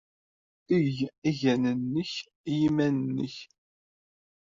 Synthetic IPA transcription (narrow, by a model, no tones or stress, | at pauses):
əʝæʝænənːəç | jimænnːə̰ç